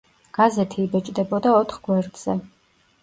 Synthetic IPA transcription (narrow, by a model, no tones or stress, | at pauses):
ɡ̥azɛt̪ʰiːbɛt͡ʃʼd̪ɛbɔd̪aɔt̪ʰχɡ̥wɛɾd̪ʼz̥ɛ